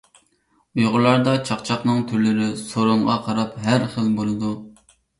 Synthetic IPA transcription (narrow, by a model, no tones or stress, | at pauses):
ujʁʊlˠɑɾd̪ɑt͡ʃʰɑqt͡ʃʰɑχnɨŋt̪ʰyɾlɪɾɪsoɾʊɴʁɑqʰɑɾɑpɦæɾχəlbolˠɨd̪u